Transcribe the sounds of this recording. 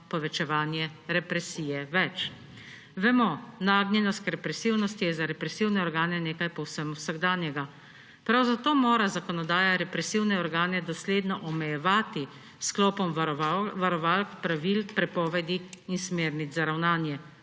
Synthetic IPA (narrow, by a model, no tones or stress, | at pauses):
pɔʋɛt͡ʃɛʋaːnjɛɾɛpɾɛsiːjɛʋɛt͡ʃ | ʋɛmɔnaːɡnʲjɛnɔst̪ɾɛpɾɛsiwnɔst̪ijɛzaɾɛpɾɛsiwnɛɔɾɡaːnɛneːkajpɔwsəmwsaɡd̪aːnjɛɡa | pɾawzat̪oːmoːɾazakɔnɔd̪aːjaɾɛpɾɛsiwnɛɔɾɡaːnɛd̪ɔsleːd̪nɔʔɔmɛjɛʋaːt̪i | sklɔːpɔmʋaɾɔʋalkpɾaʋilpɾɛpɔːʋɛd̪iinsmeːɾnit̪zaɾawnaːnjɛ